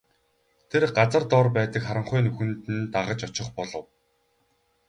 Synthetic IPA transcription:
t̪ʰerɢat͡sə̆rt̪ɔrpæːt̪ə̆kχaɾə̆ɴχʊːnɵxɘ̆nt̪ɘ̆nt̪aʁə̆t͡ɕɔt͡ɕɪ̆χpɔɮɞ̆w

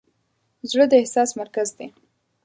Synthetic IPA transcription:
zɽəd̪əɪhsɑsmaɾkazd̪e

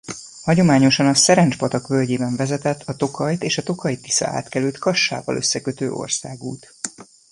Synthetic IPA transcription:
hɒɟo̞maːɲo̞ʃɒnɒsɛɾɛnd͡ʒpɒt̪ɒkvølɟeːbɛɱvɛzɛt̪ɛt̪ʰːɒt̪o̞kʰɒjt̪eːʃɒt̪o̞kɒjt̪ːi̥sɒ̰a̰ːt̪kɛlylt̪kɒʃːa̰ːvɒ̰lʔø̞sːɛkøt̪ø̰ːʔo̞̰rsaːɡuːt̪

